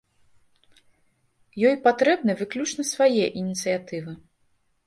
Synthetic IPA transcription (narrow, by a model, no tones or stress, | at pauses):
jɔjpat̪ɾɛbnɨjvɨklʲut͡ʂnɐsvajɛʔinʲit̪sɨjat̪ɨvɨ